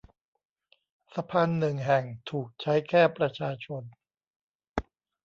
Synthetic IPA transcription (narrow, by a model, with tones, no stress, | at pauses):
sa˧pʰaː˧nːɯ˨˩ŋɦɛ˨˩ŋt̪ʰuː˨˩k̚t͡ɕʰa˦˥jkʰɛː˥˩pɾa˧t͡ɕʰaː˧t͡ɕʰo˧n